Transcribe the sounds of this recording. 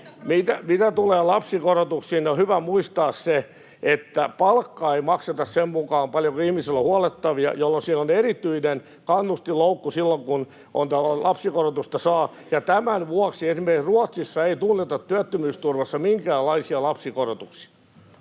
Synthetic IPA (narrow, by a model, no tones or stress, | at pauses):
mit̪æmit̪æt̪uleːlɑpsikorot̪uksiːnohyʋæmuist̪ɑːsse | et̪ːæpɑlkːɑeimɑkset̪ɑssemmukɑːmpɑljokuihmiselːohuɑlet̪ːɑʋiɑ̰jolːonsiːnonerit̪yinen | kɑnːust̪iloukːusilːoŋkun | ʔo̰nt̪ælɑpsikorot̪ust̪ɑsɑː | jɑt̪æmænʋuɑksiesimerkisruɔt̪sisːɑeit̪unːet̪ɑt̪tyæt̪ːymyːst̪urʋɑsːɑmiŋkæːlɑisiɑlɑpsikorot̪uksi̥ɑ̥